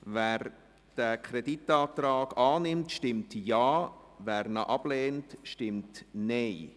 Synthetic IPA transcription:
væːɾ | d̥ækʰɾɛditːɑːtɾɑːɡɑːnɪmtʃtɪmtjɑːvæːɾnaʔɑb̥leːntʃtɪmtneɪ

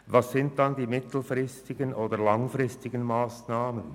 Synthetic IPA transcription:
vɑsːɪnt̚d̥ɑndiːmɪtʰl̩frɪstɪɡənʔoːdəlɑŋfrɪstɪɡənmaːsnaːmən

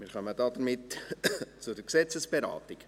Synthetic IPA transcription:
mɪːɾχœmədɑdəɾmɪt | t͡sudəɾksɛt͡səsb̥eɾɑ̰ːtik

